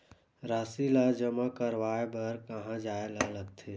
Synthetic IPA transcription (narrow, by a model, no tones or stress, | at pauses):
ɾaːsilad͡ʒəmakəɾʋaːebəɾkəɦãd͡ʒaːelaləɡt̪ʰe